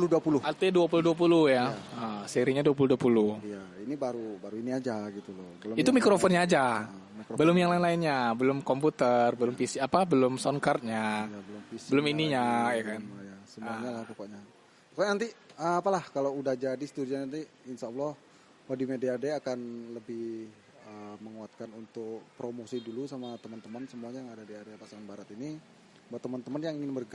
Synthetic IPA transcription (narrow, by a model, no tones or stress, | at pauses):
luduapulʊat̪eduapuluhduap̬uluhjaəseɾiɲaduap̬uluduapuluhija | inibaɾubaɾuiniad͡ʒaɡit̪ulɔbəlʊit̪umikɾofɔnɲaːd͡ʒa | mikɾbəlʊmjaŋlaɪnlaɪnɲabəlʊmkomput̪ərbəlʊmfisiapabəlʊmsɔnkart̪̚ɲaabəlʊmfisbəlʊminiɲajakanjasəmuaɲalahpokɔʔɲa | pɔkɔʔɲanant̪iəapalahkalawudahd͡ʒadisə̥t̪udianant̪i | insaulɔh | wadimedeadeakanləbɪh | əməŋuat̪̚kanunt̪ʊkpɾomosidulusamat̪əmənt̪əmansəmuaɲajaŋadadiadeapasaŋanbaɾat̪ini | baʔt̪əmant̪əmənjaŋiŋɪnbərɡa